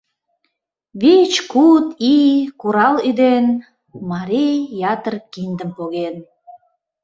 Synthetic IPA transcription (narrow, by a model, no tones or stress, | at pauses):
βet͡ɕkut̪ikuɾɑlyd̪en | mɑɾijɑt̪ərkind̪ə̆mpoɣen